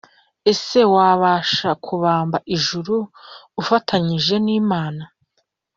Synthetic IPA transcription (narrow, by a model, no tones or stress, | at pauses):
e̞se̞waːβaːʃakʰuβaːmbaʔiʒuɾuːfatʰaɲiʒe̞niːmaːna